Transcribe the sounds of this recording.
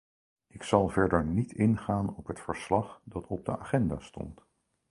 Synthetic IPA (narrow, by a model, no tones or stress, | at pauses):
ɪksɑlˠvɛɹdəɹnitʰɪnχaːnɔpɦətfəɹslɑχdɑtʰɔb̚dəa̰ːχɛnda̰ːstɔ̰nt